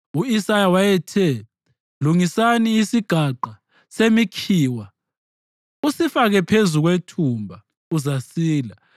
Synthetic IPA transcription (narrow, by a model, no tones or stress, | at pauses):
uisajawajɛtʰɛ | luŋisaniːsiɡ̥ʱaǃa | semikʰiːwa | usifaɣɛpʰezuɣwetʰumbʱa | uzasiːla